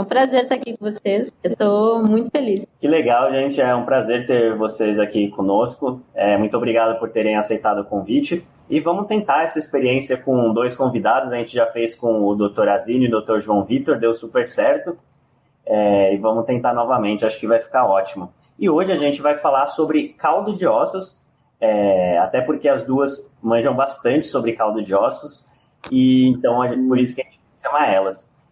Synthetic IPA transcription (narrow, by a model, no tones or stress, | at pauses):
ũpɾazeɾt̪aakikõvoseset̪omũj̃t̪ʊ̥feliskɪleɡawʒẽnt͡ʃɪɛũpɾazeɾt̪eɾvosezakikõnoskʊɛmũj̃t̪ʊobɾiɡad̪ʊpʊɾt̪eɾẽj̃asejt̪ad̪ʊkõvit͡ʃɪ | ɪvɐ̃mʊt̪ẽnt̪aɛsɐispeɾiẽsiɐkõd̪ojskõvid̪ad̪ʊzɐʒẽnt͡ʃɪʒafejskõʊd̪ot̪oɾazĩnʊd̪owt̪oɾʒuɐ̃w̃vit̪oɾd̪ewsupeɾsɛɾt̪ʊ | ɛɪvɐ̃mʊt̪ẽnt̪aɾnɔvɐmẽnt͡ʃɪaʃʊ̥kɪvajfi̥kaɔt͡ʃimʊ | ɪoʒɪaʒẽnt͡ʃɪvajfalasobɾɪkawd̪ʊd͡ʒɪɔsʊs | ɛa̰t̪ɛpoɾkeɐzd̪uɐs | mɐ̃ʒɐ̃w̃bast̪ɐ̃nt͡ʃɪ̥sobɾɪkawd̪ʊd͡ʒɪɔsʊs | ɪẽnt̪ɐ̃w̃ɐʒẽpoɾisʊkɐʒẽt͡ʃɪvaʃɐ̃maɾɛlɐs